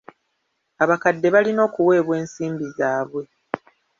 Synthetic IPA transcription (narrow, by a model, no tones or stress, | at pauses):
aβakadːe̞βalino̞ːkuwe̞ːβwe̞ːnsiːmbizaːβwe̞